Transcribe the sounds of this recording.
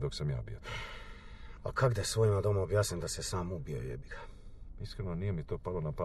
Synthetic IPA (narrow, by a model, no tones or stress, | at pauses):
d̪oksamja̰ːbijo | a̰kʰaɡd̪asʋo̞ːimad̪o̞maobjaːsnimd̪asesaːmubijo̰jḛbiɡ̥aiskɾenonijemit̪oːpallonapa